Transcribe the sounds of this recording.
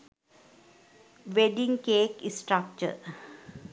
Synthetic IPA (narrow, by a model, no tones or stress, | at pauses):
ʋeɖĩŋkeːkissʈɾak̚t͡ʃə̰ɾ